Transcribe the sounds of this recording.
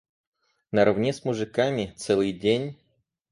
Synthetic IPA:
nəɾɐvnʲesmʊʐɨkamʲɪt̪sɛlˠɨjdʲenʲ

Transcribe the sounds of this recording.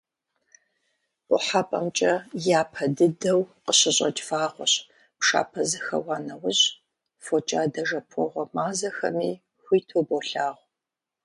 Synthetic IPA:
pʷʼʊ̰ħapʼɐmt͡ʃʼɐjaːpʰɐdɨdɐwqəɕɪɕʼɐt͡ʃʼfaːʁʷɔ̰ɕ | pʂa̰ːpʰɐzɨxɐ̰waːnɐwʊɕ | fot͡ʃʼaːdɐʒɐpʰɔʁʷɔmaːzɐxɐ̰miː | ħʷiːtʰoːboɬaːʁʷ

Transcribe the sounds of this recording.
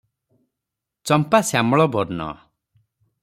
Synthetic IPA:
t͡ʃɔmpasjamɔɭɔbɔɾnɔ̰

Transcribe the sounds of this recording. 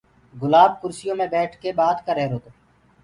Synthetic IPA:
ɡʊlaːb̚kʊɾsɪjõːmẽːbɛːʈʰkebaːt̪kəɾɛːɾoːt̪oː

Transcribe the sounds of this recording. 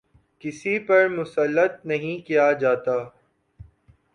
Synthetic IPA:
kɪsipɐɾmʊsəlːət̪̚nɐɦĩkijad͡ʒaːt̪aː

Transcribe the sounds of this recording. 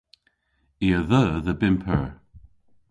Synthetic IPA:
iːəðəːðəbɪmpʰəɹ

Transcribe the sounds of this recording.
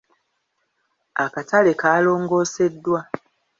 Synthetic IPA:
akatʰalekaːlo̞ːŋɡo̞ːse̞dːwa

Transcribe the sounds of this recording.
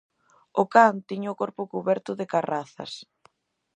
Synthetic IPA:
ʊkant̪iɲʊkɔɾpʊkuβɛɾt̪ʊðɪkaraθɐ̰s

